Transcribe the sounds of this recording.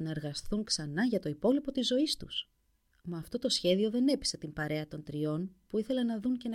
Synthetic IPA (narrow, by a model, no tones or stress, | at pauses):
nɐeɾɣɐsθuŋksɐnɐʝɐt̪o̞ipo̞lipo̞t̪izːo̞ist̪us | mɐːft̪o̞t̪o̞sçe̞ðio̞ðe̞ne̞pi̥set̪impɐɾe̞ɐt̪o̞nt̪ɾio̞npuiθe̞lɐnɐðunce̞n